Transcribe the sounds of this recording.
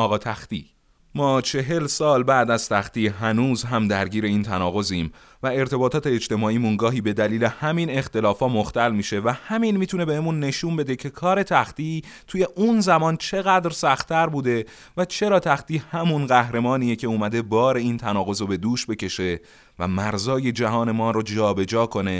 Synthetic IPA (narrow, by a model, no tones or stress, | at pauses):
ɒːɣɒːt̪ʰæxt̪ḭː | mɒːt͡ʃʰe̞ɦe̞lsɒːlbæːd̪æz̥t̪ʰæxt̪iːɦænuːzɦæmd̪æɾɟiːɾe̞iːnt̪ʰænɒːɣo̞ziːm | væe̞ɾt̪ʰe̞bɒːt̪ʰɒːt̪ʰeːd͡ʒt̪e̞mɒːʔiːmunɡɒːɦiːbe̞d̪æliːle̞hæmine̞xt̪e̞lɒːfɒːmoxt̪ælmiːʃe̞væhæminmiːt̪ʰune̞be̞hemunːe̞ʃunbe̞d̪e̞cʰe̞kʰɒːɾe̞t̪ʰæxt̪iː | t̪ʰuːje̞ʔunzæmɒːnt͡ʃʰe̞ɣæd̪ɾsæxt̪ʰːæɾbuːd̪e̞ | væt͡ʃʰe̞ɾɒːt̪ʰæxt̪iːhæmunɢæhɾe̞mɒːniːjecʰe̞uːmæd̪e̞bɒːɾe̞iːnt̪ʰænɒːɣo̞zobe̞d̪uːʃbe̞ce̞ʃe̞ | væ̰mæɾzɒːje̞d͡ʒæɦɒːne̞mɒːɾod͡ʒɒːbe̞d͡ʒɒːkʰo̞ne̞